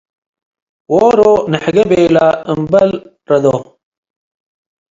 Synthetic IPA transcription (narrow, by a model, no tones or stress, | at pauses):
woːɾoneħɡɐbeːlaɐmbɐl | ɾɐd̪o